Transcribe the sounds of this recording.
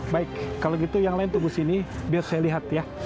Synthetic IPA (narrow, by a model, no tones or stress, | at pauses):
baɪkːaloɡit̪ujaŋlaɪnt̪ubusinibiarsajaliɦat̪ja